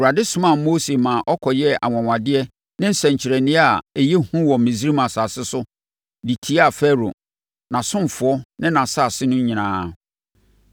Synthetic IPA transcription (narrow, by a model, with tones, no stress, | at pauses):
wu˨a˨dɪ˦sʊ̃˦mã˨moː˦se˨mã˨ʔɔ˦kʰɔ˨jɛ˦ʔa̰˨ŋɔ̃˨ŋʷã˨dɪ˦ɛ˦ | nɪ̃˦n̩˦sɛ̃˨ɲ˨t͡ɕʰɪ˨ɾɛ˨nɪ̃˦a˨ɛ˨jɛ˦hũ˦wɔ˨mĩ˨zi˦ɾi˦mã˨sa˨sɪ˦sʊ˦ | di˨tʰi˦a˦˨fɛ˦ɾo̰˨ | nã˨sʊ̃˦m˨fʊ˨ɔ˦nɪ̃˦nã˨sa˦˨sɪ˦nʊ̃˦ɲĩ˨nãː˨˦